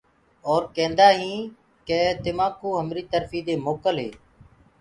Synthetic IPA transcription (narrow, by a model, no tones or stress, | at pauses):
oːɾkẽːnd̪aːɦĩː | keːt̪ɪmãːkoːɦəmɾiːt̪əɾfiːd̪eːmoːkəlɦḛː